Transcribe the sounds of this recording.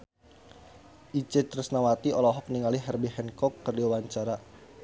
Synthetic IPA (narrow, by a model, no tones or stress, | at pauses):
ʔit͡ʃɛt̪ɾəsnawat̪iɔlɔɦɔk̚niŋaliɦɛrbiɦɛnkɔkːərdiwawaɲt͡ʃaɾa